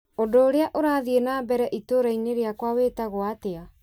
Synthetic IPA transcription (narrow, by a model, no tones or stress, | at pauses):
odoːɾeaʔoɾaðienabɛɾɛʔitoɾaiɲeɾeakwaweːtaɣoatea